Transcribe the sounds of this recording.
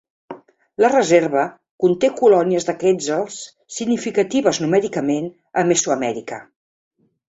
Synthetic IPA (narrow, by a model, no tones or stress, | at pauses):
lərəzeɾβə | kunt̪ekulɔniəzðəkɛzəlˠsː | iɡnifikət̪iβ̞əznumɛɾikəmen | əmesuəmɛɾikə